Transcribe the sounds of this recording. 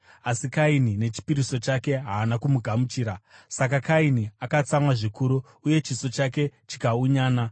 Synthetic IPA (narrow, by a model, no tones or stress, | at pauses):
asikainine̞t͡ʃi̥piɾiso̞t͡ʃake̞ɦaːnakumuɡʱamut͡ʃiːɾasak̬akainiakat͡samwaʐikuɾu | uje̞t͡ʃiso̞t͡ʃake̞t͡ʃi̥kauɲaːna